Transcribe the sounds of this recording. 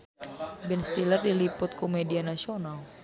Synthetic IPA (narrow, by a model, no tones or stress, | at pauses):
bɛnst̪ilərdilipʊt̪̚kumedianasional